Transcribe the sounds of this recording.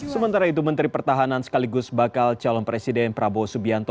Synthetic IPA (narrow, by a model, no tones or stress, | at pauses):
səmənt̪aɾait̪̬umənt̪ɾipərt̪aɦanansə̥kaliɡʊsbakalt͡ʃalɔnpɾesidɛnpɾabosubiant̪ɔ